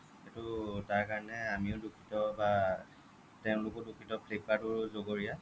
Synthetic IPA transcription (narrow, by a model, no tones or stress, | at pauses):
xetutaɹkaɹɔnɛamiʊdukʰitɔba | tɛʊ̃lʊkɔdukʰitɔpʰlek̚patʊɹzoɡoɹija